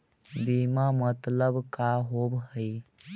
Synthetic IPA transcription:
bimamət̪ləbkaɦobɦəi

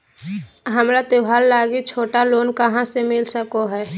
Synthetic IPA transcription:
ɦəmɾat̪ɪbʱaːlːaːɡit͡ʃʰoːʈaloːnkəɦãsemɪlsəkoɦɛː

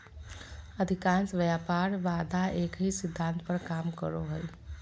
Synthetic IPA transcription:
əd̪ʱɪkãːnsʋjaːpaːɾʋaːd̪ʱaeːkɦisɪd̪ʱːãːnt̪pəɾkaːmkə̰ɾoɦəi

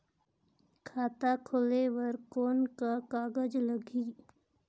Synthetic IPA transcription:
kʰaːt̪akʰolewəɾkoːnkakaːɡəd͡ʒləɡiː

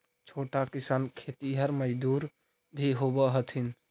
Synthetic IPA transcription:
t͡ʃʰoʈakisankʰet̪iɦəɾməd͡ʒd̪uɾ | bʱiɦobəɦət̪ʰin

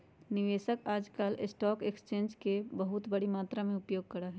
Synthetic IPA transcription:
nɪʋeːʃəkaːd͡ʒkaːlɪsʈɔːkekst͡ʃẽːnd͡ʒkebəɦʊt̪bəɽimaːt̪ɾamẽʊpjoːɡ̚kɐɾəɦɛː

